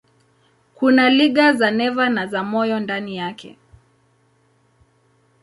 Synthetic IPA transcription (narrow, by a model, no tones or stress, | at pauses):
kunaliɠazanɛvanazamɔjɔndanijakʰɛ̰